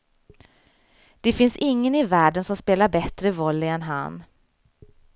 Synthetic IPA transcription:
d̪̥ɛfɪnsɪŋːənɪvæːɖənsɔmspeːlaɾbɛt̪ɾəvɔlːɪɛnɦa̰n

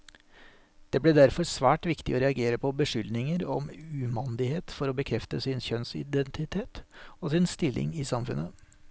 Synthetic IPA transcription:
d̪̥eːbleːd̪æɾfɔɾsʋæːʈʋɪkt̪ɪ̰ʔoːɾɛɑɡeːɾəpʰɔbəʂʏlnɪŋəɾɔ̰mʉːmɑnd̪ɪheːt̪fɔɾoːbəkʰɾɛft̪əsɪnçœnsɪ̰d̪ɛnt̪ʰɪt̪ʰeːt̪oːsɪnst̪ɪlːʔɪ̰ŋiːsɑmfʉ̰nə

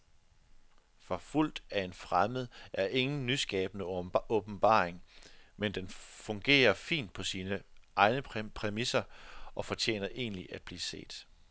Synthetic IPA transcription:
fɒ̽ful̰d̥æe̝nfʁaməð̞̩ˠʔæɐʔe̝ŋn̩nːysɡ̥ɛːb̥ənəɔ̽b̥n̩b̥ɑ̰̈ːeŋmend̥enfɔ̽ŋɡ̥e̝̰ːɐfḭːnd̥̚pʰɒ̽siːnəʔɑ̈ɪnəpʰʁɛmisɐɒ̽fɒ̽t͡ɕʰjḛːnɐʔe̝̰ːnliʔæd̥̚b̥lḭːse̝̰ːd̥

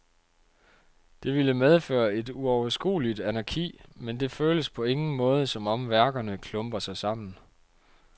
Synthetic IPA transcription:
d̥e̝ʋiləmeð̞ˠfø̰ːɐe̝d̥uɒʊɐsɡ̥ṵːlid̥ænæɡ̥ʰḭːmend̥e̝føːləspʰɒ̽e̝ŋn̩mɔ̽ːð̞ˠəsɒ̽mɒ̽mʋæɐɡ̥ɐnəkʰlɔmb̥ɐsɑ̈ɪsɑ̈m̰n̩

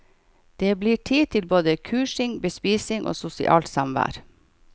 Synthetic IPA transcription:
d̪̥eːbliːʈʰiːt̪ʰɪlboːd̪əkʰʉːʃɪŋbəspiːsɪŋʔo̰ːsʊsɪ̰ʔɑ̰ːlt̪sɑmʋæ̰ːɾ

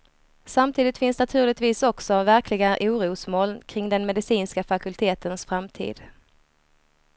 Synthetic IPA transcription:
samt̪ʰiːd̪ɪt̪fɪnsnat̪ʰʉ̟ːlɪt̪viːsɔksɔvæɾkʰlɪɡaʔuːɾuːsmoːlkʰɾɪŋd̪ɛnmɛd̪ɪsiːnskafakɵlt̪ʰeːt̪ʰənsfɾamt̪ʰḭːd̪̥

